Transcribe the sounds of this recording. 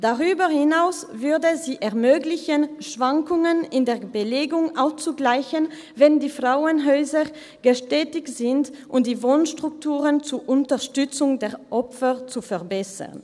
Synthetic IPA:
d̥aʁyːbəhɪnaʊsvʏɐdəziːʔɛɐmøːɡlɪçənʃv̥aŋkʊŋənɪndeːɐbəleːɡʊŋʔaʊst͡suɡlaɪçən | vɛndiːfʁ̥aʊənɦɔʏzɐʁ | ɡ̥əʃtɛːtɪçz̥ɪntʔʊmd̥iːvoːnʃtʁ̥ʊk̚tʰuːʁənt͡suɐʔʊntɐʁʃtʏt͡sʊŋdeːɐʁʔɔpfɐt͡sufɛɐbɛsə̰ʁn

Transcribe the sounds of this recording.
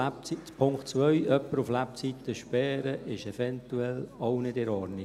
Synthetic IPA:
pʰʊŋktt͡sʋœɥœpːəɾuflæp̚t͡sit̪ːəʃpɛːɾəʔɪʃɛfɛnt̪uɛlɔʊnɪdɛɾɔːɾnɪ

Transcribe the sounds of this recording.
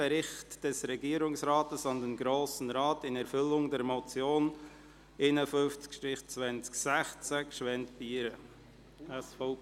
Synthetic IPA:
ɛɾɪχtd̥ɛsɾɛɡiːəɾʊŋsɾaːtəsɑndɛnɡɾoːsən̩ɾɑːtɪnɛɾfʏlʊŋdɛɾmɔt͡sjoːn | enəfʏnft͡skʃtɾɪχt͡svɛnt͡sksæχt͡səkʃʋɛntbiɪɾə | ɛsfo

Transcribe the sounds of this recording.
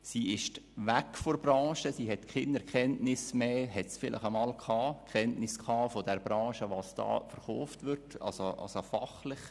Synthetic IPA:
siːɪʃtʋækfoɾbrɑ̃ːʃəsiːɦɛtkχɪnɛɾkɛntnɪsmeːɦɛtsfɪlʔɪ̰χəmɑːlkχɑːkχɛntnɪskχɑːfɔdɛɾbɾɑ̃ːʃəʋɑːsd̥ɑ̰ːfəɾχɔːftʋɪɾtɑ̰soʔɑ̰sofɑ̰χlɪχ

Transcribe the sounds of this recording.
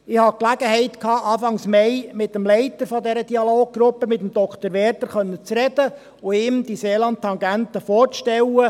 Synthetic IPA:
ɪhɑklæɡ̥əɦɛɪt̪kʰɑːʔɑːfɑŋsmɛjmɪt̪əmlɛɪt̪əɾfɔd̪ɛɾəd̪iɑloːɡ̚ɡ̥ɾʊpːəmɪt̪əmd̪ɔkχt̪əɾʋɛːɾt̪əɾχœnːət͡sɾɛd̥̪ə | ʊɪmd̪iseːlɑnt̚t̪ːɑŋɡæntəfɔːɾt͡sʃtɛlːə

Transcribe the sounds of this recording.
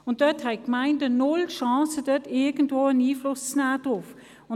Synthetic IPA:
ʊnt̚d̥œthɛɪkmaɪndənʊlʃɑ̃ːsəd̥œtɪɡəntvoːəniːflʊst͡snæːd̥ʁʊf | ʊ

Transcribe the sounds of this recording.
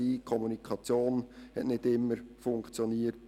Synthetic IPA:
iːkʰɔmunikʰɑt͡sjoːnhɛ̰tnɪdɪmːəɾfʊŋkt͡sjɔniət

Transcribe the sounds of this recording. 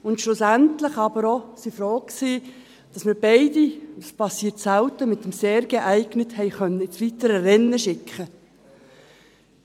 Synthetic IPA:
ʊntʃlʊsæntləχɑbəɾɔsifɾɔːkksi | d̥ɑsmɪːɾbɛɪdispʰɑsːiːtsæwtəmɪt̪əmseːɾɡ̥eʔæɪɡ̥nəthɛɪχœnːəɪt͡sʋit̪əɾəɾɛnːəʃɪkχə

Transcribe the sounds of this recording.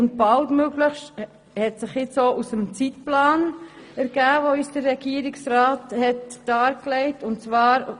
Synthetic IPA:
ʊnt̚b̥ɑltmøɡləχʃt | hɛtsɪχjɪt͡soːʔusəmt͡sitplɑːn | æɾɡ̥æːvoisd̥əɾːɛɡ̥iːəɾɪksɾɑːthɛtd̥ɑːɾklɛɪtʊntt͡sʋɑːɾ

